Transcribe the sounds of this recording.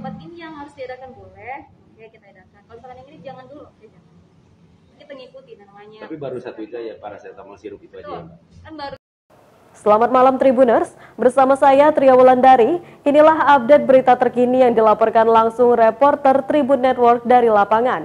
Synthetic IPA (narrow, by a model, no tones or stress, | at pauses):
sbat̪̚inijaŋhaɾʊsdiadakanbolɛh | jakit̪aadakanalpakaniŋinid͡ʒaŋanduluaa | kit̪aŋikut̪inanamaɲat̪apibaɾusat̪uit̪uajapaɾasajat̪amansiɾukit̪ada | kanbaɾ | səlamat̪̚malamt̪ɾibunərs | bərsamasajat̪ɾiawulandaɾi | inilaɦap̚det̪̚bəɾit̪at̪ərkinijaŋdilapɔrkanlaŋsʊŋrepɔrt̪ərt̪ɾibunɛt̪wɔrk̚daɾilapaŋan